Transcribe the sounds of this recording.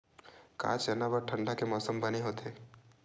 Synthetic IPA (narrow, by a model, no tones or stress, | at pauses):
ka̰ːt͡ʃɐnabəʈʰə̃ɳɖakemɔːsəmbɐneɦoːt̪eː